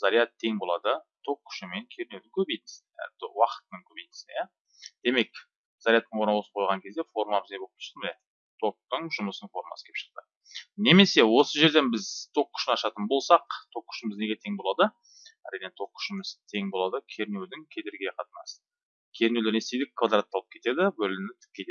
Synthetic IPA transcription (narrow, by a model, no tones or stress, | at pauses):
zaɾijat̪ʰːe̞ŋbolˠɑd̪ət̪ʰo̞qkʲːʰʏ̥ʃɪme̞ŋkʲʰe̞ɾɪne̞wd̪ɪŋkʲʰɵbejt̪ɪ̥z̰ | t̪wɑqə̥t̪ənəŋkʲʰɵbejt̪ɪ̥sɪja | d̪̥e̞me̞k | z̥aɾijat̪ːəɴwo̞ɾnɑwˠsəqʰojlʁɑŋkʲʰe̞zd̪e̞fo̞ɾmabɪzɡʲe̞bo̥ʃble | t̪ʰo̞k̚t̪əɴʒʊməsəɴfo̞ɾmɑ̰sə̥kʲʰepʃə̥q̚t̪ə | ne̞me̞se̞wo̞səʒe̞ɾd̪e̞nbɪzt̪ʰo̞kʲʰːʏʃɪnɑʃɑt̪ənbo̞lˠsɑqt̪ʰo̞kkʲːʰʏ̥ʃɪmɪzne̞ɡʲe̞t̪ʰe̞ŋbo̞lˠɑd̪ə | æ̰ɾijne̞t̪ʰo̞kkʰʲːʏ̥ʃɪmɪzt̪ʰe̞ŋbo̞lˠɑd̪əkʲʰe̞ɾɪne̞wd̪ɪŋkʲʰe̞d̪eɾɡʲeqʰɑt̪ənɑsə̥ | kʲʰe̞ɾnewlɪɾe̞sejd̪ɪkkʰːvad̪ɾat̪ːɑlˠəp̚kʲʰe̞t̪ed̪ɪbɵlɪnɪt̪ʰɪ̥p̚kʲe̞t̪e